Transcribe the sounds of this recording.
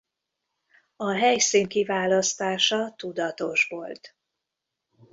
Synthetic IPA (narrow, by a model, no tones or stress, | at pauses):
ɒɦɛjsiŋkivaːlɒst̪aːʃɒt̪ud̪ɒt̪o̞ʃʋolt̪